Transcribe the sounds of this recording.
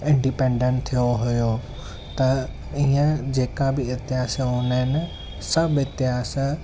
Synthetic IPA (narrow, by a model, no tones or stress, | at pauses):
ɪ̃ɳɖipẽɳɖə̃ɳʈt̪ʰijoɦʊjo | t̪ɐ | iə̃d͡ʑeːkãbɪɪt̪ɪɦaːseʊnəɦɪnɪ̆ | sɐbɪt̪ɪɦaːs